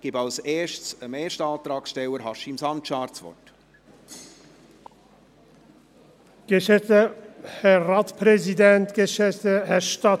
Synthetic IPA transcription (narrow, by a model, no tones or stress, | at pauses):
ɡ̥ibɑlseːʃtsəmeːʃtɑːlt̪ɾɑːksʃtɛwəɾhɑʃimsɑntʃɑːɾt͡svɔ̰t | ɡ̥ɛʃɛtəhɛraːtspɾɛzidɛnt̪ɡ̥eʃɛtəhɛʃta